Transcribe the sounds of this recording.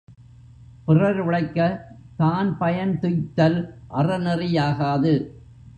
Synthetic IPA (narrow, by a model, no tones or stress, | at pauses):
pɪrɐɾʋɪɭɐɪkːɐ | t̪aːnpɐjɐnt̪ʊjt̪ːɐlʔɐrɐnɪrɪjaːɣaːðɯ